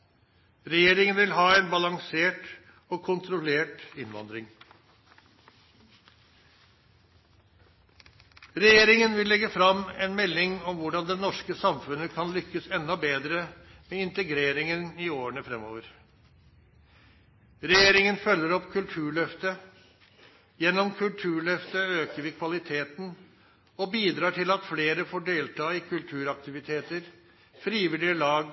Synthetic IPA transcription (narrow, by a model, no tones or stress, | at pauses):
ɾɛjeːɾɪŋənʋɪlɦɑːɛːnbɑlɑŋseːʈ | ɔkʰʊnt̪ɾʊleːʈɪnʋɑ̰nd̪ɾɪŋ | ɾɛjeːɾɪŋənʋɪlːɛɡəfɾɑmɛnmɛlːɪŋɔmʋʊɖɑnd̪ɛnɔʂkəsɑmfʉnəkʰɑnlʏkːəsɛnːɔbeːd̪ɾə | mɛɪnt̪əɡɾeːɾɪŋənɪoːəɳəfɾɛmːoːʋəɾ | ɾɛjeːɾɪŋənfœlːəɾɔpːkʰʉlt̪ʰʉːɭœft̪ə | jɛnːɔmkʰʉlt̪ʰʉːɭœft̪əøːkəɾʋɪkʰʋɑlɪt̪ʰeːt̪n̩ | ɔbiːd̪ɾɑːʈʰɪlɑt̪fleːɾəfoːɖeːlt̪ʰɑːɪkʰʉlt̪ʰʉːɾɑk̚t̪ɪʋɪt̪ʰeːt̪əɾ | fɾiːʋɪlɪəlɑːɡ